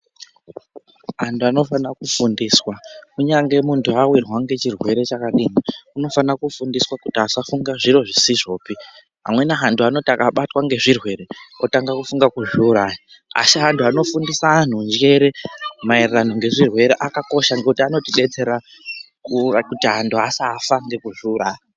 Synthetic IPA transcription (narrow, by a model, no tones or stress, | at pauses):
ɦantʰuano̞fanakufundiːswakuɲaŋɡe̞muntuawirwaŋɡe̞t͡ʃirwe̞ɾe̞t͡ʃakaɗiːŋauno̞fanakufundiswakutiasafuŋɡaʐiɾo̞ʐisiʐo̞ːpi | ɦa̰mwe̞naɦantʰuano̞tiakaɓatwaŋɡe̞ʐirwe̞ɾe̞otaŋɡakufuŋɡakuʒuːɾaːji | a̰siɦantʰuano̞fundisaːn̤und͡ʒe̞ɾe̞mairran̤uŋɡe̞ʐirwe̞ɾeʔakako̞ʃaŋɡekutiano̞tiɗe̞t͡se̞ɾa | kukutiɦantʰuasaːfaŋɡe̞kuʒuːraːji